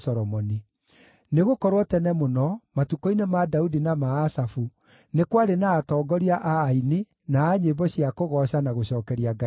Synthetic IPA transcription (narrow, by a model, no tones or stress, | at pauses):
sɔɾɔmɔni | neɣokɔɾwɔtɛnɛmonɔmatukɔinemadaudinamaːsafu | nekwaɾenaːtɔːɡɔɾiaʔaːini | naːɲembɔɕjakoɣɔɕanaɣoɕɔːkɛɾiaɡa